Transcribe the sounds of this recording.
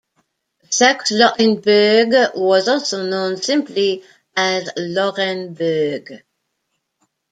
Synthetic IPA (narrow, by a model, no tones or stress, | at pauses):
sakslɔʔɪ̃nbɜɡwɔzɔlˠsonõʊ̃nsɪ̃mpli | æzlɔɹɛ̃nbɜ˞ɡ